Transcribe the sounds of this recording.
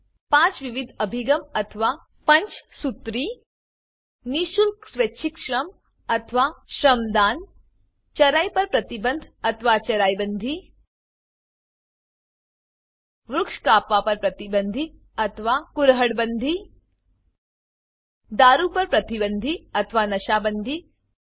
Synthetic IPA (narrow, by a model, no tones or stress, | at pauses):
pãːt͡ʃʋiʋid̪ʱɐbʱiɡɐmɐt̪ʰʋaː | pɐɲt͡ʃsut̪ɾiː | niʃulksʋetːʃʰikʃɾɐm | ɐt̪ʰʋaːʃɾɐmd̪aːn | t͡ʃɐɾaːjpɐɾpɾɐt̪ibənd̪ʱɐt̪ʰʋaːt͡ʃɐɾaːjbɐnd̪ʱi | ʋɾukʂkaːpaːpɐɾpɾɐt̪ibɐnd̪ʱi | ɐt̪ʰʋaːkuɾɦɐɽbɐnd̪ʱi | d̪aːɾuːpɐɾpɾɐt̪ibɐnd̪ʱiɐt̪ʰʋaːnɐʃaːbɐnd̪ʱi